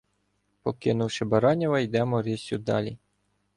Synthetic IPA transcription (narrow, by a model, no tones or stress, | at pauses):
pɔkɪnʊwʃɪbɐɾɑnʲɐʋɐjd̪ɛmɔɾʲisʲud̪ɑ̰lʲi